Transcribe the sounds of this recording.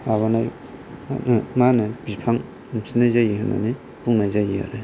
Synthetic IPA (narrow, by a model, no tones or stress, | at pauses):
aβanaj | a̰manɯbipʰaŋ | msinajzajihɯna̰ni | puŋnajzajija̰ɾe